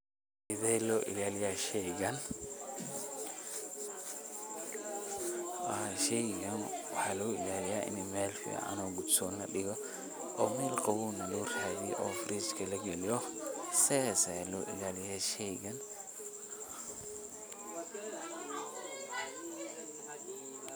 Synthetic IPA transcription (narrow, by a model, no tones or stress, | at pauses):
ɪðɛjlɔːʔɪ̰laːlɪjaːʃɛjɣɐn | wʃɛjɣɐnwɑħɑːlɐʊɪ̰laːlɪjaːʔɪ̰nɪmɛːlfɪ̰ɐ̰ʔɐ̰nɔːɡʊd̪sɔːnɐɗɪɣɔ | ʔɔːmɛːlqɑwuːnɐlɔːraːðiʔɔːfɾiːskʰɐlɐɡɛlɪjɔsɛsalɔːʔɪlaːlɪjaːʃɛɡɐn